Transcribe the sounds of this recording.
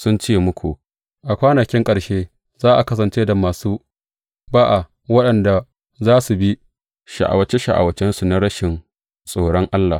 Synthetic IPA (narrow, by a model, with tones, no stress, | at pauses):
sʊ˦nt͡ʃeː˦mʊ˦kʷu˨ | ʔa˨kʷaː˦na˨kʲɪ˦ŋkʼɐ˨ɽʃeː˦ | zaː˦ʔa˨kɐ˦s̬ɐ˨nt͡ʃeː˦da˨maː˨suː˦ | baː˦ʔa˨ | wɐ˦ɗɐ˨nda˨ | zaː˦su˨bi˦ | ʃa̰˨ʔa̰˨wɐ˨t͡ʃe˦ʃa̰˨ʔa̰˨wɐ˨t͡ʃɛ˦nsu˨na˦ɽɐ˦ʃɪ˨n | sʼoː˦˨ɽɔ˦ŋʔa˦lːa˨